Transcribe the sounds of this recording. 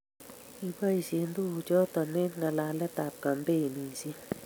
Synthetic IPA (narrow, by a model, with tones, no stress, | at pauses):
i˨ba˦i˨sje˨ndu˦˨t͡ʃɔ˦tɔ˨nɛ˦nŋɡa˨la˨lɛ˦ta˨p̚ka˨mbe˦˨ni˨si˦